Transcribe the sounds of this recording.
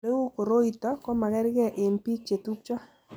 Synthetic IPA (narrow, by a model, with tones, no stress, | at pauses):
e˦wu˦ko˨ɾo˦i˨t̪ɔ˨kɔ˦ma˨ɡɛ˦ɾɡɛ˦ʔɪ˨npi˦t͡ʃe˨t̪u˦k̚t͡ʃɔ˦